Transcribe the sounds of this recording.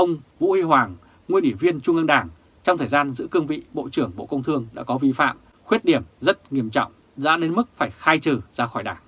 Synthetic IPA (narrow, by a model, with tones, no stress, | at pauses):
ʔə˧wŋ͡mvṵ˧˥hi˧ɦwaː˨˩ŋ | ŋwi˧ənʔi˧˩vi˧ənt͡ɕʊ˧ŋʔə˧nɗaː˧˩ŋ | t͡ɕɔ˧wŋ͡mt̪ʰəː˨˩zaː˧nzɨ̰˧˥kɨ˧əŋvḭ˧˨ɓo̰˧˨t͡ɕɨ˧˩əŋɓo̰˧˨kə˧wŋ͡mt̪ʰɨ˧əŋɗa̰ː˧˥kɔ˨˦vi˧fa̰ː˧˨m | xwi˦˥t̚ɗi˧˩əmzə˦˥t̚ŋi˧˩əmt͡ɕɔ̰˧˨wŋ͡m | za̰ː˧˥ɗe˨˦nmɨ˦˥k̚faː˧˩jxaː˧jt͡ɕɨ˨˩zaː˨˦xɔ˧˩jɗaː˧˩ŋ